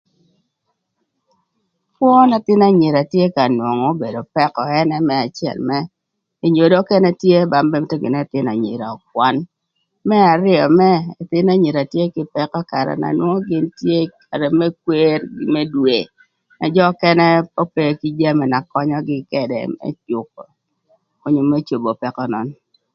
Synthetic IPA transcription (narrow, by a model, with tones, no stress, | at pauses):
pwɔ˦na˨t̪ɪ˦na˦ɲɪ˨ɾa˨tje˦ka˨nwo˨ŋo˨˦be˨do˨pɛ˦kɔ˨ɛ˦nɛ˦mɛ˦a˨t͡ʃɪɛ̰˨lmɛ˦ | e˨ɲo˨do˦kɛ˦nɛ˦tje˦ba˦mbɛ˦mte˦ɡɪ̰˨nɛ˦t̪ɪ˦na̰˨ɲḭ˨ɾa̰˨ɔ˨k̚wa˦n | mɛ˦a˨ɾɪ˦ɔ˨mɛː˦˨t̪ɪ˦na˦ɲi˨ɾa˨tje˦kɪ˦pɛ˦kɔ˦ka˨ɾɛ̰˨na̰˨nwɔ˦ŋɔ˦ɡɪ˦ntje˦kʰa˨ɾɛ˨mɛ˦k̚we˦ɾɡɪ˦mɛ˦dwe˨ | na˨d͡ʒɔ˦kɛ˦nɛ˦po˦pe˦ki˦d͡ʒa˦mɛ˨na˨kɔ˦ɲɔ˦ɡɪ˦kɛ˨dɛ̰˨mɛ̰˦t͡ʃʊ˨k̚ɔ̰˨ | ɔ˨˦ɲʊ˨mɛ˦t͡ʃo˨bo˨pɛ˨kɔ˦nɔ˦n